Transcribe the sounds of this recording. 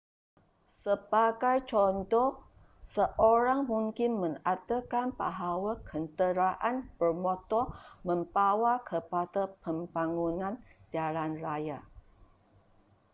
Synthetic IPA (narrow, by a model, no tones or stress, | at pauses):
səbaɡajt͡ʃɔnt̪ɔ | səʔoɾaŋmuŋkɪnmə̃ŋat̪əkanpa̰ɦawakʰənt̪əɾaʔanbərmɔt̪ɔmə̃mbawakʰəpadapəmbaŋunãnd͡ʒalanraja